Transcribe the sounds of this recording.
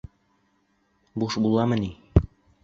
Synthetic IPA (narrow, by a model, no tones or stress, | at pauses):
buʃbulˠɑmɤ̆ni